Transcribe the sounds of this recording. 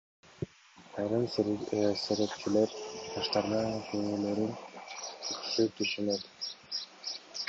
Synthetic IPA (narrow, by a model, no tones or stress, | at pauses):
ɑjɾɯm | seɾep̚t͡ʃyleɾt̪ʰɑʃt̪ɑɾnɑkʰyŋyløɾynkʰyksyt̪yʃynøt̪